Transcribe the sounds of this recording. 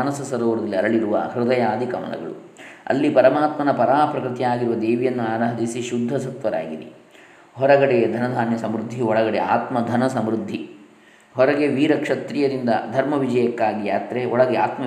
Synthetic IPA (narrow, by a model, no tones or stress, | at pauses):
nɐsɐsɐɾoːʋɐɾɐd̪ɐlːiɐɾɐɭiɾuʋɐ̰hɾɪd̪ɐjaːd̪ʱikɐmɐ̰lɐ̰ɡɐ̰ɭṵ | ɐ̰lːipɐɾɐmaːt̪mɐnɐpɐɾaːpɾɐkɾit̪ijaːɡiɾuʋɐd̪eːʋijɐnːuaːɾɐːɦɐd̪isiʃud̪ʱːɐsɐt̪ʋɐɾa̰ːɡid̪ḭ | ɦɔɾɐɡɐɽed̪ʱɐnɐd̪ʱaːnjɐsɐmɾud̪ʱːiɔɭɐɡɐɽea̰ːt̪mɐd̪ʱɐnɐsɐmɾud̪ʱːi | ɦɔɾɐɡeʋiːɾɐkʂɐt̪ɾijɐɾind̪ɐ̰d̪ʱɐɾmɐʋid͡ʒɐjɐkːaːɡijaːt̪ɾeɔɭɐɡeaːt̪mɐ